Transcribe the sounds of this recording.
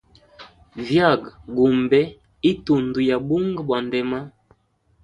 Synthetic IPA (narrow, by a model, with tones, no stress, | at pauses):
vja˦˨ɡɡu˨mbɛ˦ | i˦tu˨ndu˨ja˨bu˦ŋɡbwa˨ndɛ˨ma˦